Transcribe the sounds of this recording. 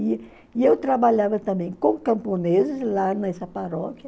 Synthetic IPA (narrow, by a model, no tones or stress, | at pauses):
i | iewt̪ɾabaʎavɐt̪ɐ̃mbẽj̃kõkɐ̃mponezɪzlanɐɛsɐpaɾɔkʲjɐ